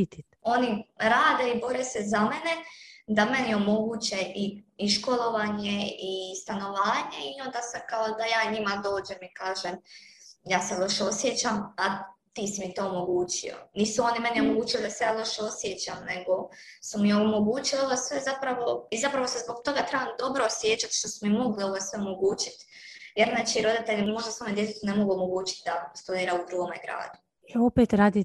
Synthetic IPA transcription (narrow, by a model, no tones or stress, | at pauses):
it̪i | o̞niɾaːd̪eibo̞ɾesezamened̪ame̞nijɛo̞mo̞ɡuːt͡ɕeʔiiʃko̞lˠo̞ʋaɲeist̪ano̞ʋaːɲe̞io̞nd̪asakaod̪ajaːɲimad̪o̞ːd͡ʑemikaːʒemjaːselˠo̞ʃeosjet͡ɕamat̪iːsimit̪o̞ːomo̞ɡuːt͡ɕio̞̰niːsuo̞nimɛneo̞moɡuːt͡ɕilid̪asejaːlˠo̞ʃeo̞sjet͡ɕamne̞ɡo̞sumieomo̞ɡuːt͡ɕilio̞ʋosʋe̞zapɾaʋo̞izapɾaʋo̞sezbo̞ɡt̪o̞ɡat̪ɾebamd̪o̞bɾosjet͡ɕat̪ʃt̪o̞sumimo̞ɡlio̞ʋosʋeo̞mo̞ɡuːt͡ʃi̥t̪jeɾnnaːt͡ʃiɾo̞d̪it̪e̞ʎimo̞ʒd̪asoːmed̪jet̪et̪une̞mo̞ɡuomo̞ɡuːt͡ɕi̥t̪̚d̪ast̪ud̪iːɾaud̪ɾuɡomaiɡɾa̰ːd̪u | eopet̪ɾaːd̪i